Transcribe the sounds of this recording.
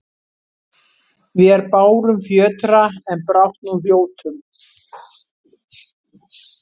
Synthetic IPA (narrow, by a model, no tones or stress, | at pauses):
vɪɛɾpaːwɾʏmfjœːt̪ɾaɛnpɾawht̪nuljoːwt̪ʏm